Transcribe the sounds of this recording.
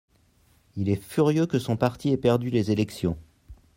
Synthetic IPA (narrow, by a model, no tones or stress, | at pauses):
ilɛfyʁjøkəsɔ̃paʁt̪ʰiɛpɛʁd̪ylezelɛksjɔ̃